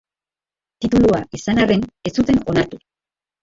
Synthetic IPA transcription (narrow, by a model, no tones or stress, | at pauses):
t̪it̪uluaʔisanare̞ne̞sut̪e̞no̞naɾt̪u